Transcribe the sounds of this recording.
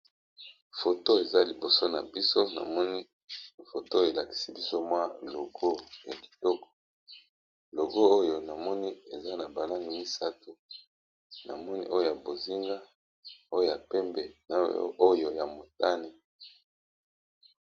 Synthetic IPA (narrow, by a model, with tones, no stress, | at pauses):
fo˨to˦e˨za˦li˨bo˨so˦na̰˨bi˦so˦na̰˨mɔ˦ni˦ | fo˨to˦e˨la˨ki̥˨si˦bi˦so˦mwa˦lo˨ɡo˦ja˨ki̥˨tɔ˦kɔ̥˨ | lo˨ɡo˦o˦jo˨na˨mɔ˦ni˦e˨za˦na˨ba˨la˦ŋɡi˨mi˦sa˦tu˨ | na̰˨mɔ˦nḭ˦ʔo˦jo˦˨ja˨bo˨zi˦ŋɡa˦ | o˦jo˦ja˨pɛ˦mbɛ˨na̰˨o˦jo˨ja˨mo˨ta˦ne˨